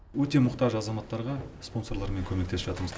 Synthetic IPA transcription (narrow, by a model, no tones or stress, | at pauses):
wɵt̪e̞mʊqt̪ɑʒɑzɑmɑt̪ːɑɾʁɑspo̞nso̞ɾlˠɑɾme̞ŋkʲʰɵme̞kt̪espʒɑt̪əɾməz